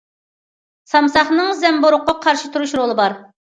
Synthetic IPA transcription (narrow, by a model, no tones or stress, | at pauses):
sɑmsɑχnɨŋzɛmboɾʊqːɑqʰɑɾʃɪt̪ʰuɾuʃɾolˠɨbɑɾ